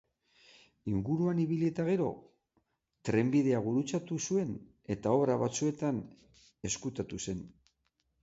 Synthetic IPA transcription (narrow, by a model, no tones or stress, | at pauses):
iŋɡuɾuaniβiliet̪aɣe̞ɾo̞̰ | t̪ɾe̞mbið̞e̞aβuɾut͡sat̪usue̞n | e̞t̪ao̞βɾaβat͡sue̞t̪an | e̞skut̪at̪use̞n